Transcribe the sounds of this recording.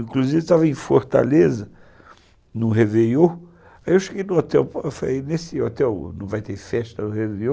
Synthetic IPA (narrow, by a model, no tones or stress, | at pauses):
ĩkluzivet̪avɐẽj̃foɾt̪a̰lezɐ | nʊɦevejo | aiewʃeɡejnʊot̪ɛwpefalejnesɪot̪ɛwnɐ̰̃w̃vajt̪eɾfɛʃt̪ɐnʊhevejo